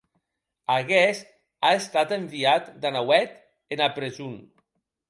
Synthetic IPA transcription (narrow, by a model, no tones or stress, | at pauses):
aɣɛst̪ | aest̪at̪embiat̪d̪anawɛt̪ | enapɾezun